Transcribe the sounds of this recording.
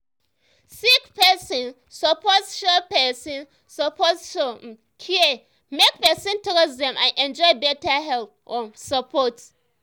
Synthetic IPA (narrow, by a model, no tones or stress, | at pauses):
sikpʰɛsĩn | sɔpʰɔtʃɔpɛsĩn | sɔpʰosʃom̩ | kʰie | mek̚pɛsĩntɔɾɔsdɛ̃mʔãnʔɛ̃nd͡ʒɔɪbɛtaɦɛlp̚ɔ̃nsapʰɔt